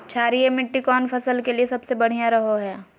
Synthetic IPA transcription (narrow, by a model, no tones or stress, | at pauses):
t͡ʃʰaːɾiemɪʈːikɔːnfʰɐsəlkeliesɐbsebɐɽ̤ijãɾɐɦoɦɛː